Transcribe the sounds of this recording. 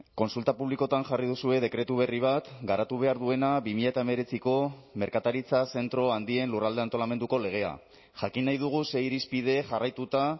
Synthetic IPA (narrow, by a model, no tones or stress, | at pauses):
ko̞nsult̪apuβliko̞t̪anʝarið̞usue̞ð̞e̞kɾe̞t̪uβ̞e̞riβ̞at̪ɡaɾat̪uβ̞e̞aɾðue̞nabimiʎaet̪aeme̞ɾe̞t͡siko̞me̞ɾkat̪aɾit͡sase̞nt̪ɾo̞and̪ie̞nlurald̪e̞ant̪o̞lame̞nd̪uko̞le̞ɣ̞e̞a̰ | ʝakinːajðuɣ̞use̞iɾispið̞e̞ʝarajt̪ut̪a